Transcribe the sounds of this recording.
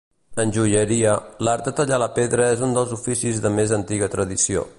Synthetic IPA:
ənʲʒuʎəɾiəlaɾt̪ət̪əʎaləpeðɾəezund̪əlˠzufisizðəmezənt̪iɣət̪ɾəðisio̰

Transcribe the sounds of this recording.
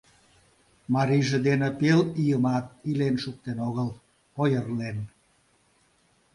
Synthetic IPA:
mɑɾijʒĕd̪enepelijəmɑt̪̚ilenʃuk̚t̪enoɣəl | ojərlen

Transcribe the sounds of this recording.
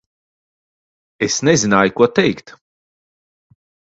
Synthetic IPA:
esnezinaːjkuɔt̪ɛjkt̪

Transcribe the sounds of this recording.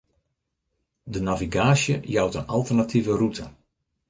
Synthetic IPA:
dənaviɡaːsjəjawtənalˠtərnatʰivərutʰə

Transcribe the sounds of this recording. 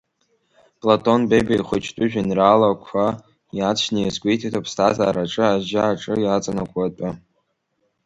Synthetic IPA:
pʼlatʰʼo̞nbebaiχʷʊt͡ʃʰtʼʊʒᶣinralakʷʰa | jat͡sʰʃnajzɡʷʼejtʰatʰopʰstʰazaːɾaʈ͡ʂʼɨaʒaaʈ͡ʂʼɨjat͡sʼanakʷʼatʼʊ

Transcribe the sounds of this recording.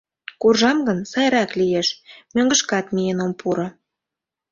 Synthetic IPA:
kurʒɑmɡənsɑjɾɑklijeʃmøŋɡə̆ʃkɑt̪mijenompuɾo

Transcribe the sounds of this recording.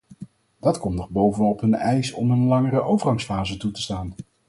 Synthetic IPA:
d̥ɑtkɔmtnɔχbowvənɔpɦɵnɛjsɔ̰mənlɑŋərəʔowvərχɑŋsfaːzətutə̥staːn

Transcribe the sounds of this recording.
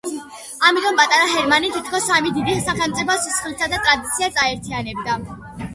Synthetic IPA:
amit̪ʼɔmpʼat̪ʼaɾaɦɛɾmanit̪ʰit̪̚ʰkʰɔsːamid̪id̪isaχɛlˠmt̪sʼipʰɔsi̥sχlɛsad̪at̪ʼɾad̪it̪sʰiasaɛɾt̪ʰianɛbd̪a

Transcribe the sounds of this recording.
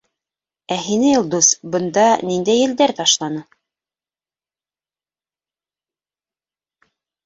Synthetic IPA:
æɦinɘulˠd̪usbɤ̆nd̪ɑnind̪æjːɘ̆ld̪æɾt̪ɑʃlˠɑnɤ

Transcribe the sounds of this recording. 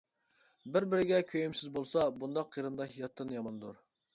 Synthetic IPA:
bɪɾbɪɾɪɡʲɛkʲʰøjymsɪzbolˠsɑbund̪ɑqːiɾɨnd̪ɑɦijɑt̪ʰːɨnjɑmɑnd̪uɾ

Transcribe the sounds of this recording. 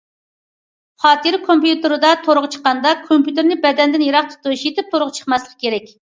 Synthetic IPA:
χɑːt̪ʰɨɾɪkʰompjut̪ɨɾɨd̪ɑt̪ʰoɾʊʁt͡ʃʰə̥qːɑnd̪ɑkʰompjut̪ɪɾnɪbɛd̪ɛnd̪ɪnjeɾɑχt̪ʰu̥t̪uuʃjet̪ɪp̚t̪ʰoɾʊʁt͡ʃʰə̥χmɑslˠəqkʲʰeɾɛkʲ

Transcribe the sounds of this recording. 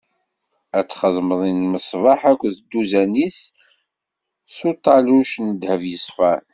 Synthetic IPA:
æt͡sːχəðˤməðˤinməsˤvɑħækʷːðd̪uzænis | ut̪ˤːɑluʃnəd̪həvjəsˤfæɾ

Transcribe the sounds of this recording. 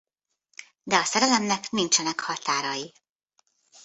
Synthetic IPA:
d̪ɛɒsɛɾɛlɛmnɛknint͡ʃɛnɛkhɒt̪aːɾɒji

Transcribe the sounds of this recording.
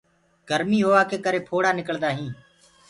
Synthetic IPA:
ɡ̥əɾmiːɦoːaːkeːkəɾeːpʰoːɽaːnɪkəld̪aːɦĩː

